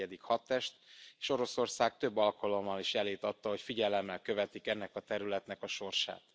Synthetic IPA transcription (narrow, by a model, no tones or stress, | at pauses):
ɛd̪ikhɒt̪ːɛʃt̪eːʃo̞ɾo̞so̞rsaːkt̪ø̞bːɒlkɒlo̞mːɒliʃjɛleːt̪ɒt̪ːɒɦo̞cfiɟɛlɛmːɛlkø̞vɛt̪ikɛnːɛkɒt̪ɛɾylɛt̪nɛkɒʃo̞rʃa̰ːt̪